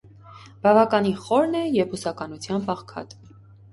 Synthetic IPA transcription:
b̥ɑvɑkɑniχɔɾnɛjɛvusɑkɑnut͡sʰjɑmpɑʁkʰɑ̰t̪

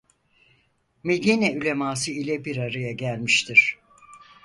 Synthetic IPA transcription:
me̞d̪iːnɛylʲe̞maːsɯilʲɛbiɾaɾajaɟælʲmiʃt̪ʰiɾ̥

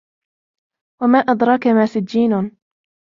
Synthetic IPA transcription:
wamaːʔad̪ɾˤɑːkamaːsɪd͡ʒːiːnʊn

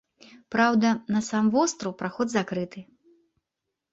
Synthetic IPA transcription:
pɾawd̪ɐnɐsamvɔst̪ɾɐwpɾaxɔd̪zakɾɨt̪ɨ

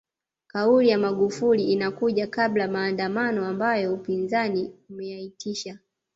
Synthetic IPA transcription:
kaulijamaɠufuliːnakuʄakablamaːndamanɔambajɔupinzaniumɛjaitʰiʃa

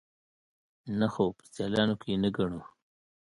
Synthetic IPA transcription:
naxopə̥szjɑlɑnokejenaɡaɳu

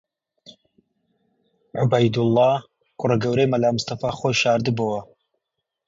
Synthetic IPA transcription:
ʕʊbɐjd̪ʊlˠːɑː | kʊrɐɡɐwɾejmɐlaːmʊst̪ɐfaːχoːjʃaːɾd̪ɨbowɐ

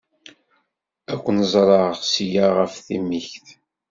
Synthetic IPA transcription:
ækʷːənzˤɾˤɑʁsijaʁəfθimiçθ

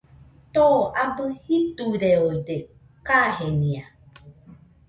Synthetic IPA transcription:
t̪oabɨhit̪uɾeode | kahenĩa

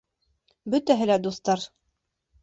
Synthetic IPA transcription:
bɵt̪æɦɘlæd̪ust̪ɑɾ

